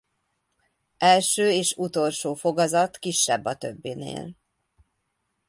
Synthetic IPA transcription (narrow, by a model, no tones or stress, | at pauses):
ɛlʃøːeːʃut̪o̞lʃoːfo̞ɡɒzɒt̪kiʃːɛ̰bːɒt̪ø̰bːinḛːl